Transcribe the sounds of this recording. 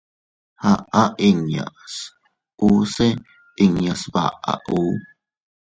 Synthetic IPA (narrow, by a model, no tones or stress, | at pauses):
haʔaʔiŋja̰s | use | iŋjasba̰ʔa̰ʔu